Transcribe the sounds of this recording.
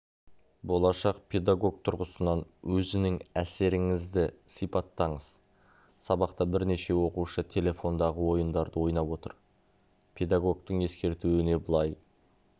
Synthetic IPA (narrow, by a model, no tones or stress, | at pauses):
bo̞lˠɑʃɑqpʰe̞d̪aɡo̞ɡ̚t̪ʰʊɾʁəsənɑnwɵzɪnɪŋæse̞ɾɪŋɪzd̪ɪsijpɑt̪ːɑɴəz̥ | sɑbɑqt̪ɑbɪɾne̞ʃe̞wo̞quʃət̪ʲʰe̞le̞fo̞nd̪ɑʁəwo̞jənd̪ɑɾd̪əwo̞jnɑpwo̞t̪ə̰ɾ | pʰe̞d̪aɡo̞ɡ̚t̪əɴe̞skʲe̞ɾt̪uwɪne̞bəlˠɑj